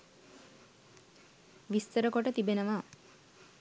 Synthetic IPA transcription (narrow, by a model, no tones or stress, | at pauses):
ʋist̪əɾəkoʈət̪ibenəʋaː